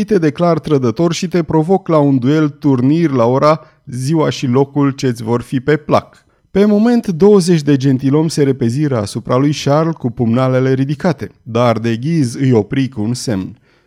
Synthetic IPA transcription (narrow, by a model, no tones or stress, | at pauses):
jt̪e̞d̪e̞klart̪ɾəd̪ət̪o̞rʃit̪e̞pɾo̞vo̞klaund̪ue̞lt̪urnirʲlao̞ɾa | ziwaʃilo̞kult͡ʃe̞t̪sʲvo̞rfipe̞pla̰k | pe̞mo̞me̞nt̪d̪o̞wəze̞t͡ʃʲd̪e̞d͡ʒe̞nt̪ilo̞mse̞ɾe̞pe̞ziɾəa̰supɾalujʃarlkupumnale̞le̞ɾid̪ikat̪e̞d̪ard̪e̞ɡʲizɨjo̞pɾikunse̞mn